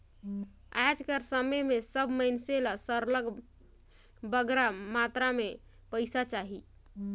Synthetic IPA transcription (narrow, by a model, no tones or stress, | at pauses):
ad͡ʒkəɾsəməjmesəbʱməinselasəɾləɡ | bəɡɾamat̪ɾame | pəɪsat͡ʃaɦi